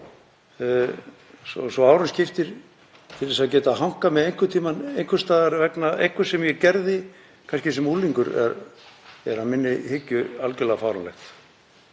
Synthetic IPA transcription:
sɔ̰sɔaːwɾʏnscɪft̪ɪɾ̥ | t̪ʰɪlðɛsaðcɛːt̪aɦawŋ̥kamɛðejŋ̥kʏt̪ʰiːmanejŋ̥kʏst̪aːðaɾvɛknaejhŋkvʏɾ̥sɛmjɛcɛɾðɪ | kʰanscɪsɛmuliŋkʏɾɛ̰ɾ | ɛɾamɪnːɪhɪcːʏalcʏlaɣafawɾanlɛ̰xt̪

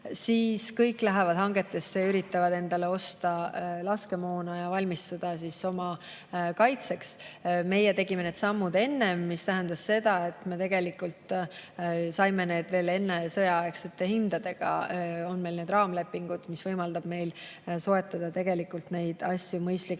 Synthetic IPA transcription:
siːskɤjkːˑlæɦevɑd̪̥hɑŋɡe̞t̪ːˑe̞st̪seyɾit̪ːˑɑvɑd̪e̞nd̪̥ɑle̞o̞st̪ɑlɑske̞moːnɑjɑvɑlʲmist̪ud̪̥ɑs̬iso̞mɑ | kɑjt̪se̞ksme̞jet̪e̞ɡ̥ime̞ne̞ːd̪sɑmːud̪e̞nːe̞mːist̪æɦænd̪ɑsse̞d̪̥ɑe̞t̪me̞t̪e̞ɡ̥e̞likult̪ | sɑjme̞ne̞ːd̪ve̞ːle̞nːe̞sɤ̞jɑekset̪ːehind̪ɑd̪e̞ɡ̥ɑ̰o̞nme̞jlne̞ːd̪ɾrɑːmle̞pːˑiŋɡ̥ud̪̥misvɤjmɑld̪ɑb̥me̞jl | so̞e̞t̪ːˑɑd̪̥ɑt̪e̞ɡ̥e̞likːult̪ne̞jd̪̥ɑsʲjumɤjst̪lik

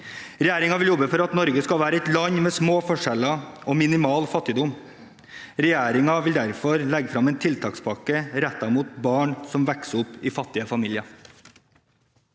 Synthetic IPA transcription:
ɾɛjæːɾɪŋɑʋɪljɔbəfɔɾɑt̪nɔɾɡəskɑʋæːɾəɛt̪lɑɲmeːsmoːfɔʂɛlɑʔoːmɪnɪmɑːlfɑt̪ːɪd̪ʊm | ɾɛjæːɾɪŋɑʋɪld̪æɾfɔɾlɛɡəfɾɑmɛeːnt̪ʰɪlt̪ʰɑːkspʰɑkəɾɛt̪̚d̪ɑɾmuːt̪̚bɑːɳsɔmʋɛksʊpɪfɑt̪ːɪəfɑmiːlɪɑ

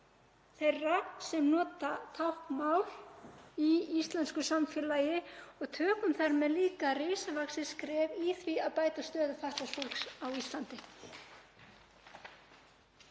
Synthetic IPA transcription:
θejrːasɛmnɔːt̪at̪ʰawhkmaːwliist̪lanskʏsamfjɛlajɪɔɣt̪ʰœːkʏmθaɾmɛðliːkareːsavaksɪ̥skɾɛːviθviaðpaːjt̪ast̪œːðʏfaht̪lasfolksawist̪lant̪ɪ

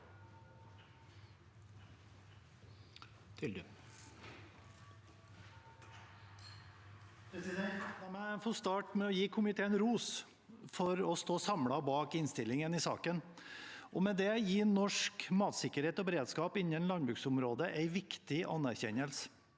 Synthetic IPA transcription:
mɛfoːst̪ɑːʈmɛɔjiːkʰʊmɪt̪ʰeːənɾuːs | fɔɾɔst̪oːsɑmlɑbɑːkɪnst̪ɪlɪŋənɪsɑ̰ːkən | ʔɔmɛd̪ɛjiːnɔʂkmɑːt̪sɪkəɾheːt̪ɔbɛɾeːd̪skɑːpɪnːənlɑnbɾʉːksʊmɾoːd̪əʔæɪʋɪkt̪ɪʔɑ̰næɾçɛ̰ɲəlsə̥

